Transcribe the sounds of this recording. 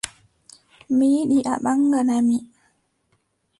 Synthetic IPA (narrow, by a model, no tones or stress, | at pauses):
miɗiʔa̰ɓaŋɡanami